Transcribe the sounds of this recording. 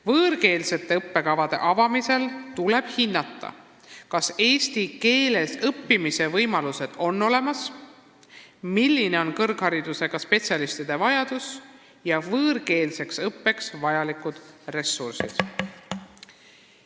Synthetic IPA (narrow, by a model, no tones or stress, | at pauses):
vɤːrke̞ːlse̞t̪ːe̞ɤpːe̞kɑvɑd̪e̞̰ʔɑvɑmise̞lt̪ule̞b̥hinːɑt̪ˑːɑ̰ | kɑse̞ːsʲt̪ike̞ːle̞sɤpːimise̞vɤjmɑluse̞d̪̥o̞nːo̞le̞mɑs | milʲːine̞o̞nkɤrɡ̥hɑɾid̪use̞ɡ̥ɑspe̞tsʲjɑlist̪id̪e̞vɑjɑd̪̥us | jɑvɤːrke̞ːlse̞ksɤpːe̞ksvɑjɑlikud̪̥re̞sːursḭd̪̥